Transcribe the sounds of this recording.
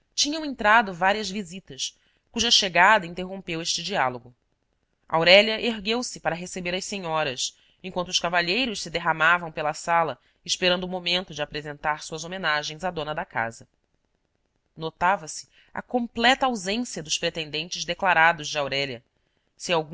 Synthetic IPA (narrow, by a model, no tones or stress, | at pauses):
t͡ʃĩɲɐ̃w̃ẽnt̪ɾad̪ʊvaɾiɐzvizit̪ɐs | kuʒɐʃeɡad̪ɐĩnt̪eɦõmpeweʃt͡ʃɪd͡ʒialoɡʊ | a̰wɾɛʎɐʔeɦɡewsɪpaɾɐɦesebeɾɐseɲɔɾɐs | ẽkwɐ̃nt̪ʊʃkavaʎejɾʊʃsɪd̪eɦamavɐ̃w̃pelɐsalɐ | iʃpeɾɐ̃nd̪ʊumomẽnt̪ʊd͡ʒɪapɾezẽnt̪aɾsuɐzomenaʒẽj̃zad̪õnɐd̪ɐka̰zɐ | not̪avɐsɪ̥ | ɐ̰kõmplɛt̪ɐawzẽsiɐd̪ʊʃpɾet̪ẽnd̪ẽnt͡ʃɪzd̪eklaɾad̪ʊzd͡ʒɪawɾɛʎɐ | sɪawɡ̃